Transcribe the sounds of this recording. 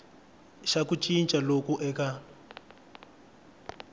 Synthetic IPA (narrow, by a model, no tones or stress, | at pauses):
ʃakut͡ʃʼint͡ʃʼalokɔʔɛka